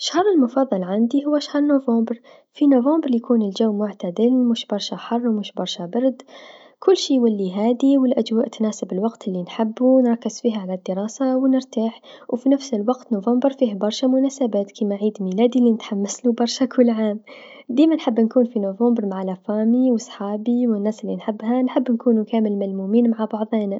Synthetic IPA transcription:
ʃhɑɾˤɪlmʊfɑðˤːɑlʕand̪iɦʊwːaʃahɑɾˤnovɑ̃ːmbɾ | finovɑ̃ːmbɾˤjakuːnɪld͡ʒawːmʊʕt̪ad̪ɪlmʊʃbɑɾˤʃaħɑrˤːwmɪʃbɑɾˤʃabɑɾˤd̪ | kʊlːʃiːwalːiɦaːd̪iwɪlʔad͡ʒwaːʔt̪naːsɪbɪlwaɡt̪ɪlːinħɪbːunɾˤɑkːɪzfiːhʕalad̪ːɪɾˤɑːsawnɪɾt̪aːħ | wfinafsɪlwaɡt̪novɑmbɾˤfiːhbɑɾˤʃamʊnaːsabaːt̪kʰiːmaʕiːd̪miːlaːd̪ilːinɪt̪ħamːaslubɑɾˤʃakʰʊlːʕaːm | d̪iːmanħɪbːnkuːnfinovɑmbɑɾˤmaʕalafaːmiwɪsˤħɑːbiwɪnːaːsɪlːinħɪbːɦanħɪbːnkuːnukaːmɪlmalmuːmiːnmaʕabɑʕðˤeːn

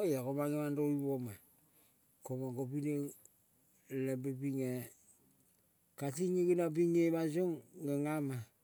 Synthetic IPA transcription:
jekomaŋemandoiβoma | komaɡopine | lebebiŋe | katiɲeɡinabiŋeβasoŋːeŋama

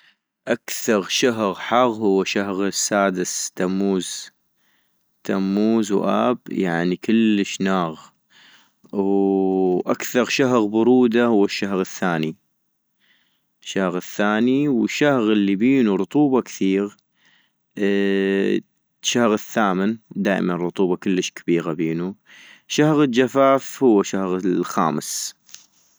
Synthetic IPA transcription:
ʔakθɑɾʃaɦɣħɑɣhʊwːaʃaɦɣsːaːd̪ɪst̪amːuːz̥ | t̪ʰamːuːzwʔa̰ːbjaʕnikɪlːəʃnaːɣ | w | ʔakθɑɾˤʃaɦɣbʊɾˤuːd̪ahʊwːaʃːaɦɣəθːaːni | ʃːahɣθːaːniwɪʃːahɣɪlːibiːnuɾˤʊt̪ˤuːbɑkθiːɣ | ʃːahɣɪθːaːmɪnd̪aːʔɪ̰manrˤːʊt̪ˤuːbɑkʊlːəʃkḁbiːɣabiːnu | ʃːahɣɪld͡ʒafaːfhʊwːaʃahɣəlxa̰ːməs

